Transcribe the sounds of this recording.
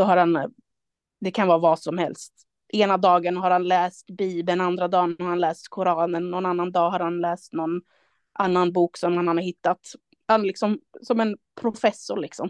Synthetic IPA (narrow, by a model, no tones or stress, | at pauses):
d̪̥ɔɦaɾhan | d̪ɛkʰanvɑːvɑːsɔmhɛ̰lst̪ | ʔeːnad̪ɑːɡənɦaɾhanlɛːst̪biːbənand̪ɾad̪ɑːnhaɾhanlɛːst̪kʰʊɾɑːnəɳnːɔnanːand̪ɑːɦaɾhanlɛːst̪nɔn | ʔanːanbuːksɔmhanhanhaɾɦɪt̪ːat̪ | hanlɪksɔmsɔmɛnpʰɾʊfɛsːʊɭɪksɔ̰m